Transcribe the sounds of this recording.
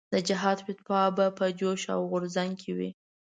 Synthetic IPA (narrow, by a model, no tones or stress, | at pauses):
d̪əd͡ʒɪɦɑd̪pɪt̪̚pɑbapəd͡ʒoʃa̰wɣʊɾzaŋkʰewḭ